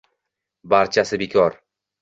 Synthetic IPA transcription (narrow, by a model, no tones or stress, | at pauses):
baɾt͡ʃʰasɪbekʲʰɒɾ